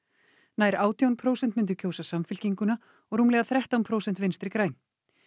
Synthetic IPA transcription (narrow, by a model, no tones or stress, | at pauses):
naːjɾaːwt̪jawnpʰɾoːwsɛnt̪mɪnt̪̬ʏɾcʰoːwsasamfɪl̥ciŋkʏna | ɔɣɾuːmlɛɣaθɾɛht̪awnpʰɾoːwsɛnt̪vɪnst̪ɾɪkɾaːjn